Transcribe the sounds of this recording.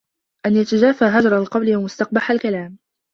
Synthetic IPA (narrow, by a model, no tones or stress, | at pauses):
ʔanjat̪ad͡ʒaːfaːɦad͡ʒɾˤɑlqɑwlɪwamʊst̪ɑq̚baħalkalaːm